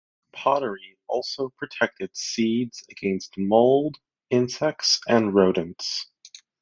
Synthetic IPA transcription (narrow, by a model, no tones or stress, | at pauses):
pʰɑɾə˞i | ɔ̰lˠsoʊpʰɹ̥ɨtʰɛk̚tɨd̥sidz̥ɨɡɛ̃nst̚moʊlˠd | ɪ̃nsɛksɨ̃nɹoʊɾɨ̃n̩ts